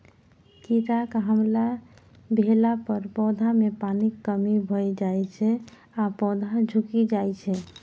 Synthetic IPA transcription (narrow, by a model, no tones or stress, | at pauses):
kiɾakɦəmla | bʱelapəɾpɔd̪ʱamepanikːəmibʱəjd͡ʒajt͡ʃʰɛ | apɔd̪ʱad͡ʒʱukid͡ʒajt͡ʃʰɛ